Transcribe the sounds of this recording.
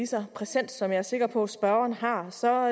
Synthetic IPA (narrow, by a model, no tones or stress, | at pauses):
isɐpʰʁɛsen̰d̥sɒ̽mjɑ̈æɐse̝ɡ̥ɐpʰɒ̽sb̥ɶɐɐnɦɑ̈sɒ̽